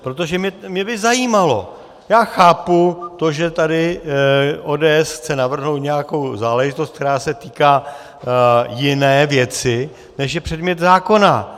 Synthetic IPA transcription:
pɾo̞t̪o̞ʒɛmɛmɲɛbɪzajiːmalo̞ | jaːxaːput̪o̞ʒɛt̪adɪ | ʔoːdɛːʔɛsxt͡sɛnavr̩ɦno̞wt̪ɲɛjako̞wzaːlɛʒɪt̪ost̪k̚t̪ɛɾaːsɛt̪iːkaː | jɪnɛːvjɛt͡sɪ | nɛʃ̬jɛpr̥ɛdmɲɛt̪zaːko̞na

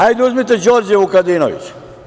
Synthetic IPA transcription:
ajd̪uzmit̪̬ɛd͡ʒoɾd͡ʒeukad̪iːno̰ʋḭt͡ʃ

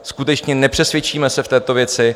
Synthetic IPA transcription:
skut̪ɛt͡ʃɲɛnɛpr̥ɛsvjɛt͡ʃiːmɛsɛft̪ɛːt̪o̞vjɛt͡sɪ

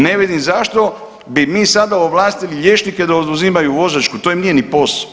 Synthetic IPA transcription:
ne̞ʋid̪imzaʃt̪o̞ | bimiːsad̪aoʋlˠaːst̪iliʎʲje̞t͡ʃnike̞d̪aod̪uzimajuʋo̞ʒat͡ʃkut̪o̞jimniːje̞nipo̞s

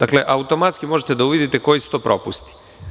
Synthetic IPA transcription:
d̪akle̞ʔaut̪o̞mat̪skimo̞ʒet̪ed̪auʋid̪it̪eko̞jisu̥t̪o̞pɾʔo̞pust̪i̥

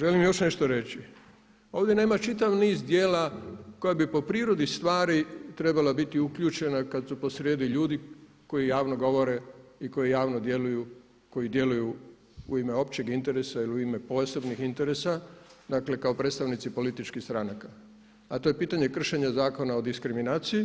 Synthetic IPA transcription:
ʒe̞limjo̞ʃne̞ʃt̪oɾe̞t͡ɕi | o̞ːʋd̪jene̞ːmat͡ʃit̪aʋniːzd̪jeːlako̞jabipo̞pɾiːɾo̞d̪ist̪ʋaːɾit̪ɾe̞balabit̪iukʎuːt͡ʃe̞nakad̪supo̞sɾjeːd̪iʎuːd̪i | ko̞jijaːʋno̞ɡo̞ʋo̞ɾe̞iko̞jijaːʋnod̪je̞luju | ko̞jid̪je̞luju | uime̞o̞p̚t͡ɕe̞ɡint̪e̞ɾesailiuime̞po̞ːse̞bnixint̪e̞ɾesad̪akle̞kaopɾet̪st̪aʋnit̪sipo̞lit̪it͡ʃkixst̪ɾanaka | at̪o̞je̞piːt̪aɲe̞kr̩ʃeɲazaːko̞nao̞d̪iskɾiminaːt̪siji

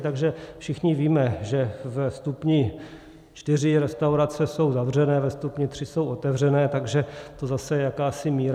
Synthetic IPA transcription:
t̪aɡʒɛfʃɪxɲɪviːmɛʒɛvɛst̪upɲɪ | t͡ʃt̪ɪrɪɾɛst̪awɾat͡sɛso̞wzavr̝ɛnɛːvɛst̪upɲɪt̪r̝̥ɪsowʔot̪ɛvrɛnɛːt̪aɡʒɛt̪ozasɛjɛjakaːsɪmiːɾ

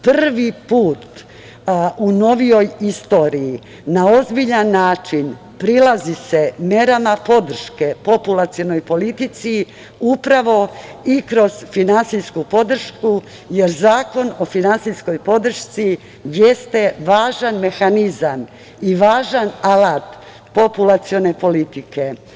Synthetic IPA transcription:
prrʋipuːt̪ | uno̞ʋijo̞jist̪o̞ːɾii | nao̞zbiʎanːaːt͡ʃin | pɾilazise̞mje̞ɾamapo̞d̪r̩ʃke̞po̞pulˠat̪siono̞jpo̞lit̪it̪si | upɾaʋo̞ikɾo̞z̥finansiskupo̞d̪r̩ʃku | je̞ɾzaːko̞no̞finansisko̞jpo̞d̪r̩ʃt̪si | jest̪e̞ʋaːʒanme̞xanizam | iʋaːʒanalat̪ | po̞pulat̪sio̞ne̞po̞lit̪ike

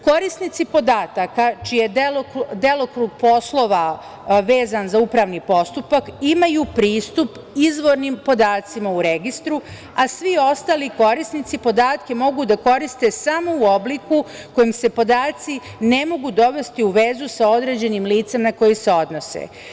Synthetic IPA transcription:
ko̞ɾisnit̪sipo̞d̪aːt̪akat͡ʃije̞elod̪e̞lokɾuɡ̚po̞slˠo̞ʋa | ʋe̞ːzanzaupɾaːʋnipo̞st̪upakimajupɾiːst̪up | izʋo̞ɾnimpo̞d̪aːt̪simauɾeɡist̪ɾu | asʋio̞st̪aːliko̞ɾisnit̪sipo̞d̪aːt̪ke̞mo̞ɡud̪ako̞ɾist̪e̞samo̞uo̞bliku | ko̞jimse̞po̞d̪aːt̪si | ne̞mo̞ɡud̪o̞ʋe̞st̪iuʋe̞zusao̞d̪ɾe̞ːd͡ʑe̞nimliːt̪se̞mnako̞jise̞o̞d̪no̞sḛ

